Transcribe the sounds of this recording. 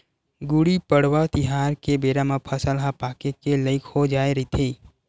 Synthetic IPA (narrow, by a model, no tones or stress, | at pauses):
ɡʊɽipəɽwat̪ɪɦaːɾkebeːɾamãpʰəsəlɦapaːkekeləɪkhod͡ʒaːeɾəit̪ʰiː